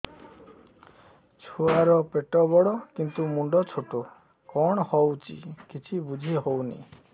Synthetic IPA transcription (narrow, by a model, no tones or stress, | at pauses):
t͡ʃʰuaɾɔpeʈɔbɔɽɔkint̪umuɳɖɔt͡ʃʰoʈo | kɔɽ̃ɔhɔwt͡ʃʰḭkit͡ʃʰibud͡ʒʱiɦownḭ